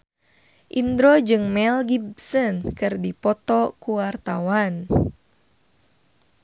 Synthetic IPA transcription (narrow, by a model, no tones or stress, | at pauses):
ʔind̪ɾɔd͡ʒɨŋmɛlɡibsɔnkɨrdipɔt̪ɔkuwart̪awan